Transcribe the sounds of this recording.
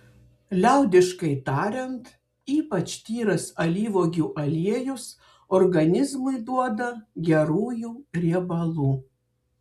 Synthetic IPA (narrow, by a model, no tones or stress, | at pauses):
lʲæˑʊd̪ʲɪʃkɐɪt̪ɑːɾʲɛnt̪ | iːpɐt͡ʃt̪ʲiːɾɐsɐlʲiːʋoːɡʲuːʔɐlʲiɛjʊs | ɔɾɡɐnʲɪzmɐɪd̪uɔd̪ɐɡʲɛɾuːjuːɾʲiɛbɐlˠuː